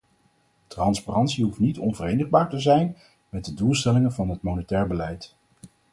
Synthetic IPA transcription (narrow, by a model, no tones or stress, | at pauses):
trɑnsparɑntsiɦuftnitɔnvərejnəχbaːɹtəzɛjn | mɛt̚dədulˠstɛlɪŋənvɑnɦətmownətɛːɹbəlɛjt